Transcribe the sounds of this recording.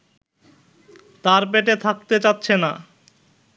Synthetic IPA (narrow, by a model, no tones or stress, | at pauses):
t̪aɾp̬eʈet̪ʰak̚t̪et͡ɕatːɕʰena